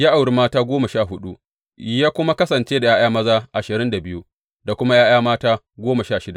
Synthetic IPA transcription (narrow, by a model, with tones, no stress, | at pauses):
jaː˦ʔa˨wɽi˦maː˦taː˦ɡʷoː˦mɐ˨ʃaː˦˨ɦʊ˦ɗu˦ | jaː˦kʷʊ˦ma˦kɐ˦sɐ˨nt͡ʃeː˦da˨jaː˦j̰aː˦mɐ˦zaː˦ʔa˨ʃɪ˨ɾɪ˦nda˨bɪ˦ju˦ | da˨kʷʊ˦ma˦jaː˦j̰aː˦maː˦taː˦ | ɡʷoː˦ma˨ʃaː˦˨ʃɪ˦da˨